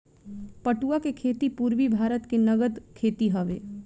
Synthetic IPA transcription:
pɐʈuːakekʰeːt̪ipuːɾʋibʱaːɾət̪kenɐɡəd̪kʰeːt̪iɦəʋḛː

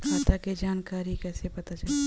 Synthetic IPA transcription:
kʰaːt̪aked͡ʒaːnkaːɾikɛːsepɐt̪at͡ʃɐle

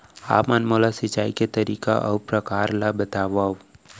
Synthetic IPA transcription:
a̰ːpmanmolasɪt͡ʃaːiket̪ɐɾiːka̰ʔɐwpɾɐkaːɾlabət̪aːʋaːw

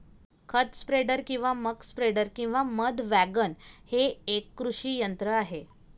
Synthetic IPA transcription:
kʰət̪spɾeɖəɾkĩw̃ʋaməkspɾeɖəɾkĩw̃ʋaməd̪ʱʋæɡənheːkːɾuʂiːjənt̪ɾəaɦe

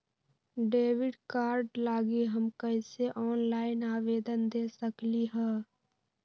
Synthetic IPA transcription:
ɖeːʋɪɖkaːɾɖlaːɡiɦəmkəɪseʔɔːnlaːɪnaːʋeːd̪ənd̪eːsəkliɦɛ̃ː

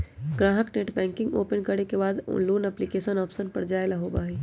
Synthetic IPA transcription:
ɡɾãːɦəkneʈbɛ̃ːŋkɪ̃ŋɡo̰ːpənkəɽekebaːd̪̰luːnɛplikeːʃənɔːpsənpɐɾd͡ʒaːelaɦobaːɦiː

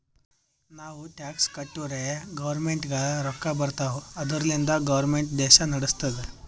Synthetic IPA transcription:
naʋuʈakskəʈːuɾeɡəʋəɾmeɳʈɡaɭaɾɔkːabəɾt̪aʋəd̪ʱəɾlend̪aɡəʋəɾmeɳʈd̪ɛɕanəɽəst̪ət̪

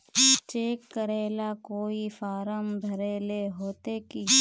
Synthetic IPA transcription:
t͡ʃeːkːəɾeːlakoːifaːɾəmd̪ʱɐɾeːleɦoːt̪eki

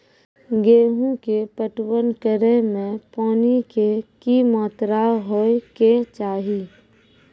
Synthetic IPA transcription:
ɡeːɦũkepəʈwənkəɾemẽpɔːnikekimɔːt̪ɾaɦoeket͡ʃaːɦi

